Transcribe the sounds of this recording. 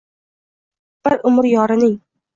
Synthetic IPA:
b̥ɪɾʔʊmɾjɒɾɪnɪŋ

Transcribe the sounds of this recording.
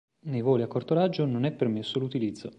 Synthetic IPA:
nejvoːliakːort̪oɾad͡ʒːononɛpːermesːolut̪ilid̪zːo

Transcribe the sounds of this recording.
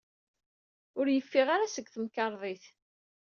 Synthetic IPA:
ʊɾjəfːiʁaɾasəɡθəmkɑɾˤðˤiθ

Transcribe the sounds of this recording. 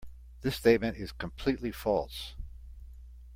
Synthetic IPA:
ðɪsteɪt̚mɨ̃nɪz̥kʰə̃mpʰl̥itˡlifɔlˠs

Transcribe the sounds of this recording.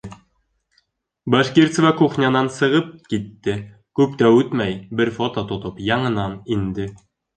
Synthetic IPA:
boʃkʲirt̪svɑkuχnʲɑnɑnsɤ̆ʁɤp̚kit̪ːɘ | kʉpt̪æʉt̪mæjbɘɾfot̪ot̪ŏt̪opjɑɴɤ̆nɑnind̪ɘ

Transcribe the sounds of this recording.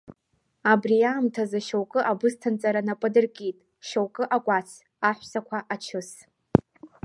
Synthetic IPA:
abrijaːmtʰazaʃowkʼɨʔabɨstʰant͡sʼaɾanapʼɨdɨrkʼitʼ | ʃowkʼɨʔakʷʼat͡sʰ | aħʷsakʷʰaʔat͡ʃʰɨs

